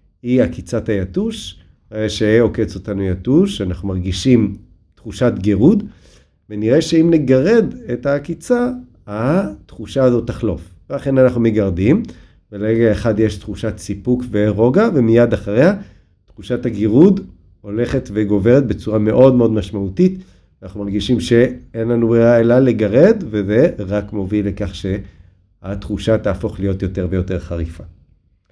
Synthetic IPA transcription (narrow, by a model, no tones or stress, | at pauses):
hiakit͡satajatuʃ | eʃeo̞ke̞t͡so̞tanujatuʃanaχnumaʁɡiʃim | tχuʃatɡeʁud̪ | veniʁe̞ʃe̞imneɡaʁe̞d̪etakit͡sa | atχuʃaːzo̞taχlo̞̰fvelaχe̞nanaχnumeɡaʁdim | beleeɡaeχadjeʃtχuʃatsipukveʁo̞ɡave̞mijad̪aχaʁeha | tχuʃataɡiʁud̪ | o̞le̞χe̞tve̞ɡo̞ve̞ʁet̚be̞t͡suʁame̞ʔo̞dmeo̞dmaʃmautit | anaχnumaʁɡiʃimʃe̞enlanubʁiaelaleɡaʁe̞d̪veze̞ʁakmo̞vilekaχʃe | at̪χuʃat̪aːfo̞χlijo̞t̪jote̞ʁve̞jo̞te̞ʁχaʁifa